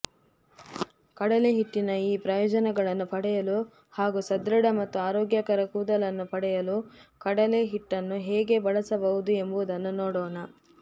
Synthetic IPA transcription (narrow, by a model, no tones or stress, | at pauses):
kɐɽɐleɦiʈːinɐiːpɾɐjɔːd͡ʒɐnɛɡɐɭɐnːupɐɽɛjɐlu | haːɡusɐd̪ɾɐɽɐmɐt̪ːuaːɾoːɡjɐkɐɾɐkuːd̪ɐlɐnːupɐɽɛjɐlukɐɽɐleɦiʈːɐnːuɦɛːɡe̞bɐɭɐsɐbɐʋud̪ue̞mbuʋud̪ɐnːunoːɽoːnɐ